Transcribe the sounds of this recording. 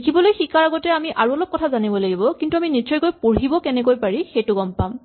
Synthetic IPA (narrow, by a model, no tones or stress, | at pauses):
kʰibɔlojxikaɹaɡɔtɛamiʔʔaɹuɔlɔp̚kɔtʰazanibɔlaɡibɔkintuaminizɔjkojpoɹibɔkɛnɛkojpaɹixejtʊɡɔmpam